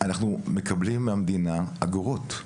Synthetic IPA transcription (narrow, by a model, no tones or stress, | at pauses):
anaχnumekablimːamed̪inaaɡoʁot